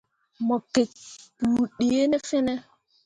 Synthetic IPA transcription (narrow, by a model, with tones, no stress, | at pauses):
mɔ˨ke˨pu˨ɗe˨e˦nɛ˦fɛ˦nɛ˦